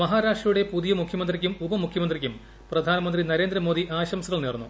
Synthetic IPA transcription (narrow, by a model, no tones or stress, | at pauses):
mɐɦaːɾaːʂʈrɐjuɽe̞puðijɐmukʰjɐmɐnd̪rikʲːumubɐmukʰjɐmɐnd̪rikʲːum | prɐd̪ʱaːnɐmɐnd̪rinɐɾe̞ːnd̪ɾɐmo̞ːd̪iʔaːɕɐmsɐɣɐɭneːrnːṵ